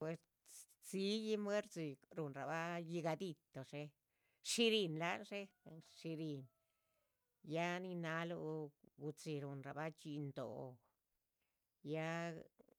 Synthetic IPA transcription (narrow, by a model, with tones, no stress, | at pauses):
e˧s | t͡si˦ji˦mwe˦ɾt͡si˧ɾu˨nɾa˨ba˦ji˧ɡa˧d̪i˧t̪o˨ʂe˦˧ | ʂi˧ɾi˧nla˦nʂe˦˨ʂi˧ɾi˧n | ja˦ni˧na˧lu˧ɡu˧t͡si˧ɾu˨nɾa̰˨ba˦t͡ʃi˧nd̪o̰˨˧ | ja˦